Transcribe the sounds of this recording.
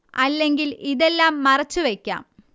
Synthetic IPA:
ɐlːe̞ŋɡiliðe̞lːaːmːɐrɐt͡ɕːuʋe̞kʲːa̰ːm

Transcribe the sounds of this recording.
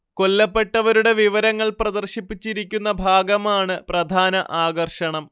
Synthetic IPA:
ko̞lːɐpːe̞ʈːɐʋɐɾuɽe̞ʋiʋɐɾɐŋːɐɭprɐd̪ɐrɕipːit͡ɕːiɾik̬ʲːunːɐbʱaːɡɐmaːɳɨprɐd̪ʱaːnɐʔaːɡɐrʂɐɳɐm

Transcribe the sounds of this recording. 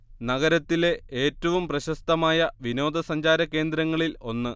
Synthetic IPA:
nɐɣɐɾɐt̪ːile̞ʔeːtːɐʋumprɐɕɐst̪ɐmaːjɐʋino̞ːd̪ɐsɐɲd͡ʑaːɾɐkːe̞ːnd̪ɾɐŋːɐɭilo̞nːɨ

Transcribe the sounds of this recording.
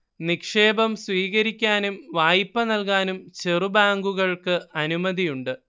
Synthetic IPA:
nikʂe̞ːbɐmsʋiːɣɐɾikʲːaːnumʋaːjipːɐnɐlkaːnumt͡ɕerubaːŋɡuɣɐɭkɨɐnumɐðijuɳɖɨ

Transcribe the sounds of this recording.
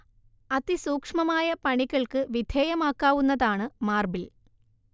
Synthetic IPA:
ɐðisuːkʂmɐmaːjɐpɐɳiɣɐɭkɨʋid̪ʱeːjɐmaːkːaːʋunːɐðaːɳɨmaːrbil

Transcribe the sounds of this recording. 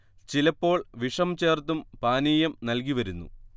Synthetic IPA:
t͡ɕilɐpːo̞ːɭʋiʂɐmt͡ɕe̞ːrt̪̬ːumpaːniːjɐmnɐlkiʋɐɾunːṵ

